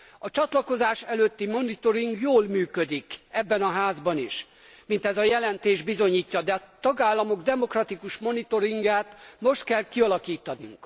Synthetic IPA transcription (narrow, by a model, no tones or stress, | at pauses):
ɒt͡ʃɒt̪lɒko̞zaːʃɛløt̪ːimo̞nit̪o̞ɾiŋɡjoːlmyːkød̪ikɛbːɛnɒɦaːzbɒniʃ | mint̪ɛzɒjɛlɛnt̪eːʒbizo̞ɲiːcːɒd̪ɛɒt̪ɒɡaːlːɒmo̞ɡd̪ɛmo̞krɒt̪ikuʃmo̞nit̪o̞ɾiŋɡaːt̪mo̞ʃt̪kɛlkiɒlɒkiːt̪ɒnṵŋk